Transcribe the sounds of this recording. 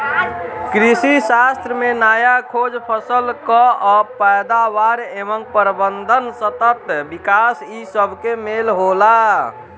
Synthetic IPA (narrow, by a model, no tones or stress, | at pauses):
kɾisisast̪ɾəmenajakʰod͡ʒpʰəsəlkɔɔpəjd̪aʋaɾeʋəŋpəɾbənd̪ʱənsət̪ət̪bikasisəbʱkemelɦola